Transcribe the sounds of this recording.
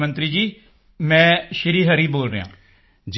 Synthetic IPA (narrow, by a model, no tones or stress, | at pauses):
mə̃nt̪ɾiːd͡ʒiː | mɛ̃ːʃɪɾiːɦəɾiːboːlɾə̰ɦã̰ː | d͡ʒ